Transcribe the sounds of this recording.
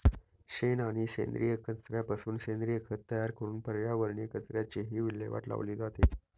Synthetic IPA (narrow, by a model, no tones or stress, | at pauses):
ɕenaɽ̃iɕḛnd̪ɾijəkʰənsɾjapasuːnɕend̪ɾijəkʰət̪ːəjaɾkəɾuːnpəɾʋjaʋəɾɳjekət͡sɾjat͡ɕeɦiːʋilːḛʋa̰ʈla̰ʋliːd͡zat̪e